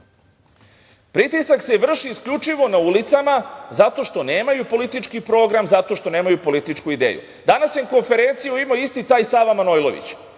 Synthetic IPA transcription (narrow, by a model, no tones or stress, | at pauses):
pɾit̪isakse̞ʋr̩ʂiːskʎʲut͡ʂiʋo̞naulit̪samazat̪o̞ʃt̪o̞ne̞ːmajupo̞lit̪it͡ʂkipɾo̞ːɡɾamzat̪o̞ʃt̪o̞ne̞ːmajupo̞lit̪it͡ʂkuid̪ḛːjṵ | d̪anasjenko̞nfe̞ɾe̞nt̪sijuimoist̪it̪aːjsaːʋamanojlˠo̞̰ʋḭt͡ɕ